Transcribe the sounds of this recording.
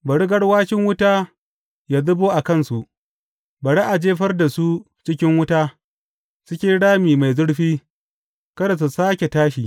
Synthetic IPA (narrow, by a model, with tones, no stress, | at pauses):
bɐ˨ɽɪ˦ɡɐ˦ɽwaː˦ʃɪ˦ŋwʊ˦taː˦ | jaː˦dʊ˦boː˦ʔa˨kɐ˦˨nsu˨ʔ | bɐ˨ɽi˦ʔa˨d͡ʒeː˦ɸɐ˦rda˨su˦ | t͡ʃɪ˦kʲɪ˦ŋwʊ˦taː˦ | sʊ˦kʲeː˦ɽaː˦miː˨ma˨jzʊ˦ɽɸiː˦ | kɐ˦da˨s̬u˨saː˦kʲe˨taː˦ʃiː˨